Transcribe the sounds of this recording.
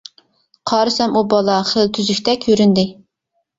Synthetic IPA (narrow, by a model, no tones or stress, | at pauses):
qʰɑːɾɨsɛmubɑlˠɑχəlˠt̪ʰyzykʲt̪ɛkʲʰøɾynd̪ɪ